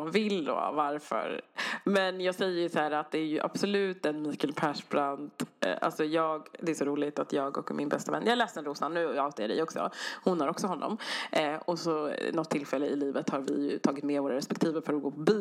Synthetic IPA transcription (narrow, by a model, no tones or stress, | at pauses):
nvɪld̪o̰ːvaɾfœ̰ɾmɛnjɑːɡsɛjːəɾjɵsahæːɾat̪̚d̪ɛæɾjɵʔa̰b̥sɔlʉ̟ːt̪ɛnmiːkəlpʰæʂbɾant̪ʔa̰lsɔjɑːɡd̪ɛæʂɔɾuːlɪt̪at̪jɑːɡɔ̰kːmɪnbɛst̪avɛ̰nːjɑːalɛːst̪ɛnɾuːsanːʉ̟ːɔɑːt̪ɪəɖɛ̰jɔksɔ̰hʊnhaɾɔksɔhɔnːɔ̰m | ɔsɔnɔt̪ʰːɪlfɛlːəɪliːvət̪haɾvɪ̰jɵ̰t̪ʰɑːɡɪt̪mɛvoːɾaɾɛspɛkt̪ʰiːvəɾfœɾɡoːpʰɔb